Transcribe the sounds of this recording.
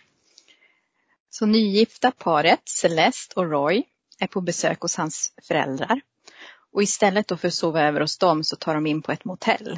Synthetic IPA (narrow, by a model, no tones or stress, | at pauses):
sɔnyːjɪft̪apʰɑːɾət̪sɛlɛst̪ʰɔɾɔj | æɾpʰɔbɛsø̰ːkhʊshansfœɾɛ̰ld̪ɾa̰ɾ | ʔɔɪst̪ɛlːət̪̚d̪ɔːfœɾɔsoːvaøːvəɾɔsd̪ɔmsɔt̪ʰɑːɖɔmɪnːpʰɔɛt̪mʊt̪ʰɛ̰lː